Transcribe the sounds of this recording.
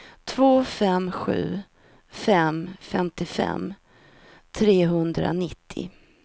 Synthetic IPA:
t̪ʰvoːfɛmɧʉ̟̰ː | fɛmfɛmt̪ɪfɛ̰mː | t̪ʰɾeːɦɵnd̪ɾa̰nɪt̪ʰːɪ̰

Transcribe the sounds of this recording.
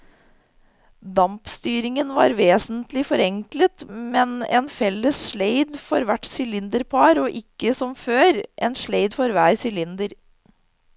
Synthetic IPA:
d̪ɑmpst̪yːɾɪŋənʋɑ̰ːɾʋeːsənt̪lɪfɔɾɛŋklət̪mɛnḛːnfɛlːəsʃɭeɪd̪fɔɾʋæʈsʏlɪnd̪əɾpʰɑːɾoːʔɪkːəsɔmføːɾʔeːnʃɭeɪd̪fɔɾʋæːɾsʏlɪnd̪əɾ

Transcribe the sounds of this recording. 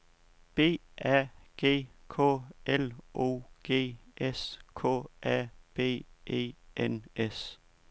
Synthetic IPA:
b̥e̝̰ːæɡ̥e̝̰ːkʰɔ̰ːelʔo̝̰ːɡ̥e̝̰ːeskʰɔ̰ːʔæb̥e̝̰ːʔḛːʔenes

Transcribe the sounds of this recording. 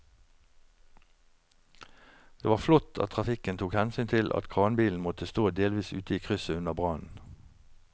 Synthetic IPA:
d̪̥eːʋɑːflɔt̪ʰɑ̰t̪̚ʰʁɑfɪkənt̪ʰuːkhɛnsyːnt̪ʰɪlʔɑ̰t̪kʰʁɑːnbiːln̩mɔt̪əst̪oːd̪eːlʋiːsʉ̰ːt̪əiːkʰʁʏsəʉnəʁbʁɑnn̩

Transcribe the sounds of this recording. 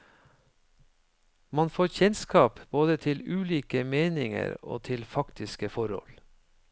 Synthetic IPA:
mɑnfoːçɛnskɑːpb̥oːd̪ət̪ʰɪlʉːliːkəmeːnɪŋə̰ɾo̰ːt̪ʰɪlfɑkt̪ɪskəfɔɾhɔ̰l

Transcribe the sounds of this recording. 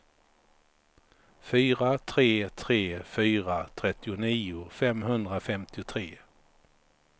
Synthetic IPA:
fyːɾat̪ʰɾeːt̪ʰɾeːfyːɾat̪ʰɾɛt̪ːɪʊniːʊfɛmɦɵnd̪ɾafɛmt̪ɪʊt̪ʰɾeː

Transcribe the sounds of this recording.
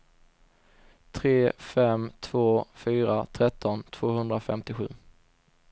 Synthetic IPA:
t̪ʰɾeːfɛmt̪ʰv̥oːfyːɾat̪ʰɾɛt̪ʰːɔnt̪ʰv̥oːɦɵnd̪ɾafɛ̰mt̪ɪɧʉ̟ː

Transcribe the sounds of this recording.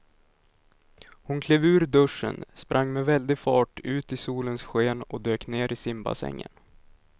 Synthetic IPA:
hʊnkʰleːvʉ̟ːɾd̪ɵʂːə̰nspɾʔaŋːmɛvɛld̪ɪɡfɑːʈʰʉ̟ːt̪ɪsuːlənsɧeːnɔd̪øːkneːɾʔɪsɪmba̰sɛ̰ŋːə̰n

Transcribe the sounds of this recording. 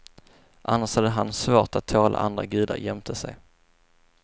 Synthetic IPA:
ʔanːaʂhad̪ːəɦansvoːʈat̪ʰːoːlʔa̰ʔand̪ɾa̰ɡʉ̟ːd̪a̰ɾjɛmt̪ʰəsɛj

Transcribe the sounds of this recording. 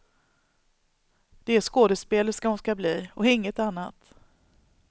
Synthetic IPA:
d̪̥ɛæʂkoːd̪əspeːlət̪skaɔmskabliːɔɪŋːət̪anːat̪

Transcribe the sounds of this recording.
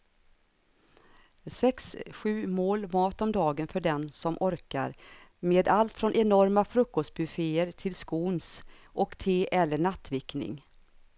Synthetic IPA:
sɛksɧʉ̟ːmoːlmɑːt̪ɔmd̪ɑːɡənfœɖɛnsɔmʔɔɾka̰ɾmeːd̪alt̪fɾɔnʔɛnɔɾmafɾɵkːɔst̪̚bɵfeːəɾʈ̪ʰɪlskuːns | ʔɔkt̪ʰeːʔɛlːəɳat̪ːvɪknɪ̰ŋ

